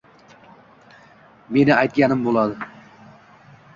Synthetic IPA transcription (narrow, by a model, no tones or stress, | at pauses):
me̞nɪajt̪̚kʲanɪmbolˠɑd̪ɨ